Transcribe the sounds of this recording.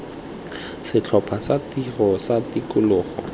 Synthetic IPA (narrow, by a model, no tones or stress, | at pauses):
sɪt͡ɬʰɔpʰasatirɔsatikʊlʊːχɔ̰